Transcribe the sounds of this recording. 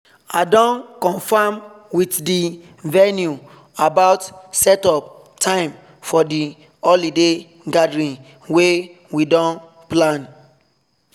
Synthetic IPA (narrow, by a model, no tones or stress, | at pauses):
adɔ̃nkɔ̃nfamwitdi | vɛnju | abaʊtsɛtɔp̚ | tʰãɪ̃m | fɔdi | ɔlide | ɡadɹĩn | we | widɔ̃n | plãn